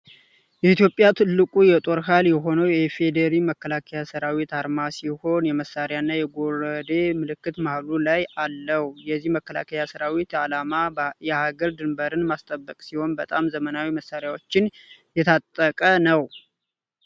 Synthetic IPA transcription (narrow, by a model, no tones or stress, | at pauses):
jɛit̪jo̞pʼːjat̪ʰɨlːɨkʼujɛt̪ʼo̞ɾɦaljɛɦo̞nəwjɛfed̪əɾiməkːəlakʰəjasəɾawit̪aɾmasiho̞njɛməsːaɾjaɨnːajɛɡo̞ɾəd̪e̞mɨlɨkːɨt̪mahlulajalːəhjɛzːihməkːəla̰kʰəjasəɾawit̪aamajɛhaɡəɾd̪ɨmbəɾɨnmast̪ʼəbːəkʼsiho̞nbət̪ʼamzəmənawiməsːaɾɪjawot͡ʃːɪn | jɛt̪ʰat̪ʼːəkʼənəw